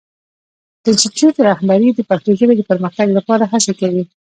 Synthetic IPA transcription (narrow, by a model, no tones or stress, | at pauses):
d̪̥əsitjut̪ɾahbaɾid̪əpak̚t̪iʒəled̪əpəɾməxt̪aɡlapɑɾaɦasekawi